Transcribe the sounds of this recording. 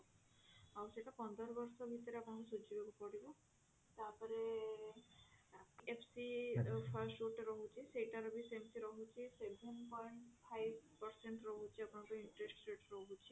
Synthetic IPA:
awseʈapɔnd̪ʱɔɾbɔɾsɔbʱit̪ɔɾeapɔɳ̃ɔkusud͡ʒʱibebupɔɽibu | t̪aɾpɔɾe | epʰsipʰaɾsʈuʈɾɔɦut͡ʃʰiseʈaɾɔbʱisemt̪ʰiɾɔɦut͡ʃʰisebʱenpɔjɳʈpʰajbpɔɾseɳʈɾɔɦut͡ʃʰiapɔɳ̃ɔkuiɳʈɾesʈseʈɾɔɦut͡ʃʰi

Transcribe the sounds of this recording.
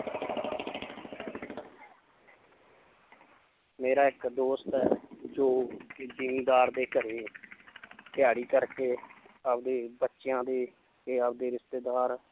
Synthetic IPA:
meːɾaːɪkd̪oːst̪ɛːd͡ʒoːkɪd͡ʒiːmiːd̪aːɾd̪eːkəɾeː | pɪjaːɽiːkəɾkeː | əbd̪eːbətːʃɪjãːd̪eː | keəb̚d̪eːɾɪst̪eːd̪aːɾ

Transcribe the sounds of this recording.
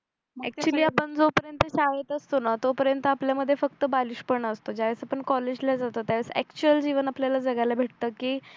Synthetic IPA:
ɛk̚t͡ɕuliːapəɳd͡zopəɾjənt̪əɕaʋet̪əst̪onat̪opəɾjənt̪əapljaməd̪ʱːjefək̚t̪əbaliɕpəɳəst̪od͡ʑaesapəɳkɔled͡ʑlad͡zat̪ot̪jaʋesɛ̰kt͡ɕuəld͡ʑiʋənapljalad͡zəɡalabʱeʈ̚t̪əkiː

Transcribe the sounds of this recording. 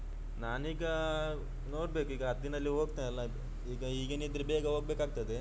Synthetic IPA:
nanika | noʈ̚bekikaːt̪d̪inalːiʋokt̪ẽla | ikaiɡenit̪ɾbeɡaʋok̚bekak̚t̪at̪e

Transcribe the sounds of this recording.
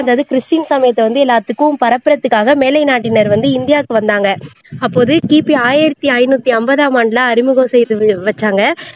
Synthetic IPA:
ɐnd̪aːðɯkɪɾɪsʈiːnsaːmɐjɐt̪ːɛʋɐnd̪ɯɛlːaːt̪ːɯkːɯ̃pɐɾɐpːɪɾɐt̪ːɯkːaːɣɐmeːlɐɪnaːʈːɪnɐɾʋɐnd̪ɯɪnd̪ɪjaːkːɯʋɐnd̪aːŋɡɐ | ɐpːoːðɯkiːpiaːjɪɾɐt̪ːiɐɪnuːt̪ːiɐmbɐðaːmaːɳɖlãɐɾɪmɯɣɐ̃sɛjðɯʋɐt͡ʃːaːŋɡɐ

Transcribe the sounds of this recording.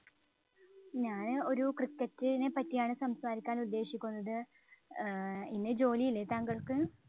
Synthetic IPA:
ɲaːno̞ɾukrɨkːɐtːɨnepɐtːijaːɳɨsɐmsaːɾikʲːaːnulːe̞ːʂikʲːunːɐðɨ | inːɨd͡ʑo̞ːlijilːet̪aːŋɡɐɭkɨ

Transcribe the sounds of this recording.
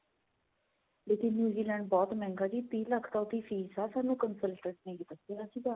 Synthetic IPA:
let̪ʰinjuːziːlɛ̃ːɳɖ̚bɔːt̪mɛ̃ːŋɡaːd͡ʒiːt̪iːləkʰt̪ãʊt̪ːiːfʰiːzaːsaːnũːkənsəlʈəʈnẽːkɪt̪əseəsĩːd̪aː

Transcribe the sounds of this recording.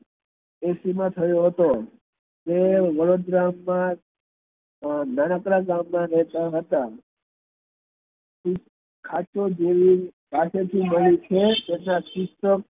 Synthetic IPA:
esimãt̪ʰəjoɦət̪o | t̪eʋəɾod̪ɾamːã | nanəkɾaɡamːãɾəɦt̪aɦət̪a | kʰat͡ʃod͡ʒeʋipaset̪ʰiməɭiut͡ʃʰet̪enakʊsʈək̚

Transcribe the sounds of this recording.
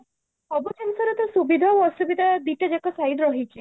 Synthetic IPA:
ɔbɔkemsɔɾet̪ɔsubid̪ʱaɔsubid̪ʱad̪iʈad͡ʒekɔsajɖɾɔɦit͡ʃʰi

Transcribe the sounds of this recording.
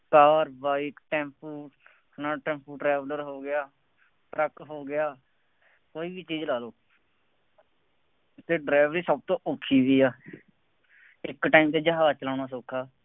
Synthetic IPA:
kaːɾbaːiːkʈɛ̃ːmpʰuːʈ | nãːʈɛ̃ːmpʰuːʈɾɛːʋləɾɦoːɡɪjaː | ʈɾəkɦoːɡɪjaː | koːiːbiːt͡ʃiːd͡ʒlaːloː | t̪ːeːɖɾaːɪʋɾiːsəb̚t̪õːʔokʰːiːʋiːaː | ɪkʈaːimt̪eːd͡ʒəɦaːt͡ʃəlãːnaːsoːkʰːaː

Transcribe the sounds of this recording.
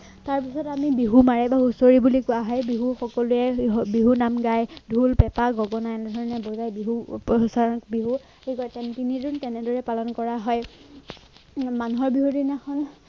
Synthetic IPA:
taɹpisɔtamibiɦumaɹɛbausoɹibulikʊaɦɔjbiɦuxɔkɔluɛbiɦunamɡajdʱulpɛpaɡɔɡɔnaɛnɛdʱɔɹɔnɛbɔzajbiɦupsankbiɦu | ejkɔɹɛtɛntiniduntɛnɛdɔɹɛpalɔnkɔɹaɦɔj | manuɦɔɹbiɦudinakʰɔn

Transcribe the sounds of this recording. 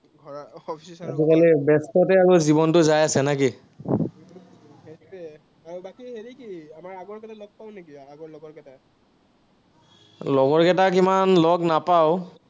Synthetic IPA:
ɡʱɔɹaɔpʰissazikalibɛstɔtɛaɹuzibɔntʊzajasɛnaki | eiɛ | aɹbakiɦeɹikiamaɹaɡɔɹkɛtalɔɡ̚paʊ̃nekiaɡɔɹlɔɡɔɹkɛta | lɔɡɔɹkɛtak̬imanlɔɡnapaʊ

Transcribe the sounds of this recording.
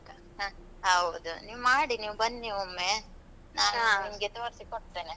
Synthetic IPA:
ɦaː | ɦɐwd̪uniːʋmaːɽiniːʋbɐnd̪niːʋomːe | naːnːimɡet̪ɐʋɐɾsikoʈ̚t̪eːne

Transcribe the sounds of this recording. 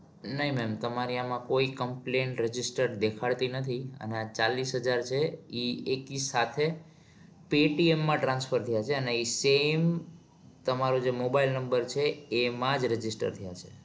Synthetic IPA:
nəɦimɛmt̪əmaɾiamãkoikəmplẽɳʈɾəd͡ʒisʈəɾd̪ekʰaɭt̪inət̪ʰiə̰neat͡ʃalisɦəd͡ʒaɾt͡ʃʰeiekisat̪ʰe | peʈiemːãʈɾãnsfʰəɾt̪ʰəjat͡ʃʰeəneisem | t̪əmaɾod͡ʒemobailnəmbəɾt͡ʃʰeːmãd͡ʒɾəd͡ʒɪsʈə̰ɾt̪ʰəja̰t͡ʃʰe

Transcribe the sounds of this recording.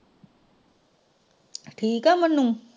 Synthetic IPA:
ʈʰikamənːuŋ

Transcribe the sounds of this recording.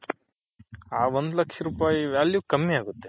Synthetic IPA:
aːʋond̪ulɐkʂɐɾuːpaːjiʋaːljukɐmːiaːɡut̪ːe

